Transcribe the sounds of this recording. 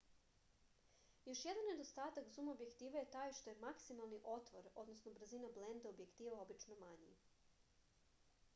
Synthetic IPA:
jo̞ʃje̞d̪anːed̪o̞st̪aːt̪akzumobje̞kt̪iːʋaje̞t̪aːjʃt̪o̞jemaksimalˠniʔo̞t̪ʋoɾo̞d̪no̞snobɾ̩zinablend̪aobje̞kt̪iːʋao̞bit͡ʃnomaɲḭ

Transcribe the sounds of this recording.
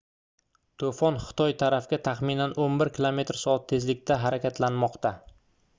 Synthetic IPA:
t̪ʰofɒnχɪ̥t̪ʰɒjt̪ʰaɾafɡʲat̪ʰaχminanʔonbɪɾkʲʰɪlˠome̞t̪ɾsɒat̪ʰːe̞zlɪk̚ʲt̪ʰaɦaɾakʲat̪ʰlanmɒqt̪a

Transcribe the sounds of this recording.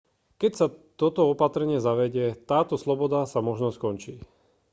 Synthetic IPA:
kɛcsat̪ɔt̪ɔɔpat̪ɾɛɲɪɛzaʋɛɟɪɛt̪aːt̪ɔslɔbɔd̪asamɔʒnɔskɔnt͡ʃiː

